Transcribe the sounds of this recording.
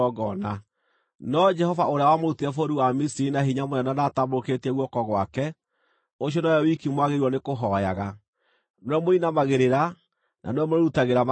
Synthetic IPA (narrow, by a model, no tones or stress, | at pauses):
ɔɡɔna | nɔd͡ʒɛhɔvaʔoɾeawamoɾutiɛfoɾuamisiɾinaɦiɲamonɛnanaːtamoɾoketɛɣwɔkɔɣwakɛ | oɕ̬jɔnɔjɔwikimwaɣeɾwɔnekoɦɔja̰ɣa | nwɛmoinamaɣeɾeɾa | nʔa̰neɛmoɾeɾutaɣeɾam